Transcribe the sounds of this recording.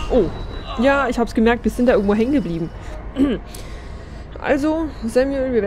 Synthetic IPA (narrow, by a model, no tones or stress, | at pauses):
ʔoːjaːɪçhaːbəsɡ̥əmɛɐk̚t̚v̥ɪɐz̥ɪntdaʔɪɡŋ̩tvoːɦɛŋənɡəbliːbm̩ | ʔa̰lzozɛmjuɛlviɐv